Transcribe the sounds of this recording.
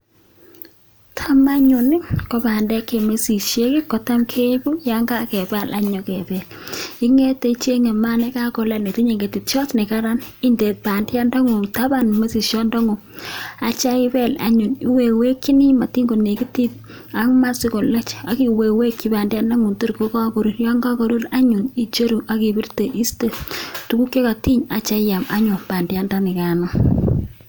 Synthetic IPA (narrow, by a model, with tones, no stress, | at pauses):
tʰa˦ma˦ɲʊ˨nɪ˦ko˦ba˨ndɛ˦ke˨me˦si˨ʃje˦kɪ˦kːɔ˨ta˦mkʰe˦bu˦ja˦ŋɡa˦kɛ˨ba˦˨lʔa˦ɲɔ˨kɛ˨bɛ˨li˦ŋe˦te˨t͡ʃe˦ŋe˨ma˦ne˦ka˦kɔ˨la˦ne˨ti˦ɲe˨ŋɡe˨ti˨tt͡ʃɔ˦tne˨ka˦ɾa˦ni˦nde˨pa˨ndja˦ndɔ˦ŋu˨ŋta˦ba˨nme˦si˨ʃjɔ˦ndɔ˦ŋu˨ | a˨t͡ʃa˦i˦bɛ˦la̰˨ɲu˨ni˦we˨we˦kːi˦ni˦ma˨ti˦ŋɡo˨ne˨ki˦ti˦t̚ | a˨kma˦si˦ko˨lɛ˦t͡ʃa˨ki˨we˨we˦kːi˨˦ba˨ndja˦nːa˦ŋu˨ntu˦ɾko˦ka˦ko˨ɾu˦ɾjɔ˦ŋɡa˦ko˨ɾu˦ɾa˦ɲu˨ni˦t͡ʃo˦ɾu˨ʔa˨ki˨bi˦rte˨ʔi˦ste˦tu˨ku˦kje˦ka˨ti˦ɲa˨t͡ʃa˦ja˨ma̰˦ɲʊ˨pa˨ndja˦nda˦nɪ˨ka˨nɔ˦